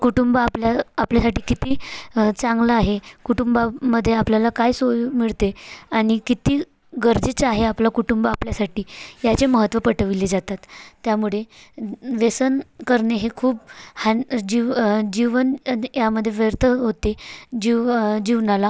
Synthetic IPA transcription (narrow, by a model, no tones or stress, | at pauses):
kuʈumbapljaapljasaʈiːkit̪iːt͡saŋɡlaːɦekuʈumbaməd̪ʱːjeapljalakajsojumiɭt̪eaɽ̃ikit̪iː | ɡəɾd͡zit͡saɦeaplakuʈumbəapljasaʈiːjat͡ɕeməɦət̪ʋəpəʈʰəʋiled͡zat̪at̪ːjamuɭe | ʋesənkəɾɳeɦekʰuːbhad͡ʑid͡ʑiʋənjaməd̪ʱːjeʋjəɾt̪ʰəɦot̪ed͡ʑid͡ʑiʋnala